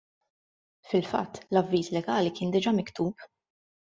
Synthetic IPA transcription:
fɪlfɐ̰t̪ːlɐvːiːslɛɡɐːlikɪːnd̪ɪd͡ʒɐmɪkt̪uːp

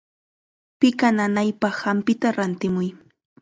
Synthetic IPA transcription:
pɪkananajpɑχːampɪt̪aɾant̪ɪmʊj

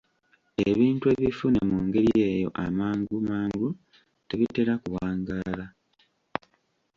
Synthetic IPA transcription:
eβiːntue̞ːβifunemuŋɡe̞ɾie̞ːjo̞̰ʔa̰maːŋɡumaːŋɡu | te̞βite̞ɾakuwaːŋɡaːla

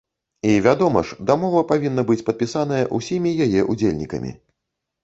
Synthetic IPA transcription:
ivʲad̪ɔmɐ̰ʂd̪amɔvɐpavʲin̪ːɐbɨt͡sʲpɐt̪̚pʲisanɐjɐʔusʲimʲijajɛʔud͡zʲelʲnʲikɐ̰mʲḭ

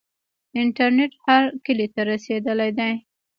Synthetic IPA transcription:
ɪɳʈaɾneʈhaɾkəlit̪aɾased̪əlajd̪aj

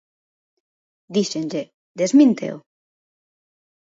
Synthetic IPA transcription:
d̪iʃenʎe | d̪ezmĩnt̪ḛo̰

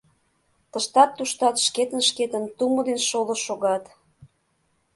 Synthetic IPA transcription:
t̪əʃt̪ɑt̪ːuʃt̪ɑt̪ʃket̪ə̆nʃket̪ə̆nt̪umod̪enʃoləʃoɣɑt̪

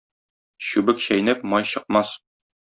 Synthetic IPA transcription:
ɕʉbɘkɕæjnɘpmɒjɕɤ̆q̚mɑs

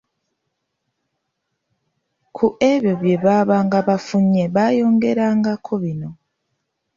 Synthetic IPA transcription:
kʰuʔe̞βjo̞βje̞βaːβaːŋɡaβafuɲːe̞βajo̞ːŋɡe̞ɾaːŋɡakʰo̞βino̞

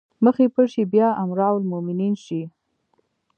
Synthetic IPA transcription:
məxepəʃibjɑamɾɑwlmʊmɪninʃi

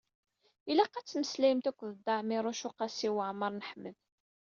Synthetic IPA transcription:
ilæqːæt͡sːməslæjmt̪ækʷːðəd̪ːɑʕmɪɾˤʊʃʊqɑsiwəʕməɾˤnəħməð

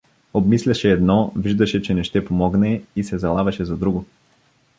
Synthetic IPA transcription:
obmislʲaʃɛːd̪nɔviʒd̪ɐʃɛt͡ʃɛnɛʃt̪ɛpomɔɡnɛisɛzalˠavɐʃɛzad̪ɾuɡo

